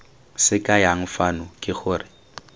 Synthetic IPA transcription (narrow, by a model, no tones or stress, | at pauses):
sɪkʼajaŋ̩fanʊkʼɪχʊːrɪ